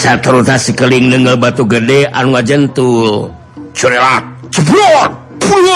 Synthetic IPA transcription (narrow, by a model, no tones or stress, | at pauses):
sat̪əɾut̪asəkəliŋnəŋɡəlbat̪uɡədea̰nuŋad͡ʒənt̪ul | t͡ʃuɾelak̚t͡ʃəbɔ | puɲ